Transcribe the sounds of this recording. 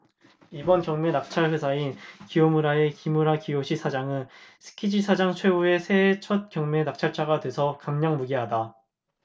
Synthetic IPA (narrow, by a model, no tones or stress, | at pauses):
ibʌnkjʌŋmenak̚t͡ɕʰaɭɸesʰainkijomuɾae̞kimuɾakijoɕʰisʰad͡ʑaŋɯnsʰɯ̥kʰid͡ʑisʰad͡ʑaŋt͡ɕʰwe̞ue̞sʰe̞t͡ɕʰʌt̚k͈jʌŋmenak̚t͡ɕʰaɭt͡ɕʰaɡadwe̞sʰʌkamɲʌŋmuɡiɦada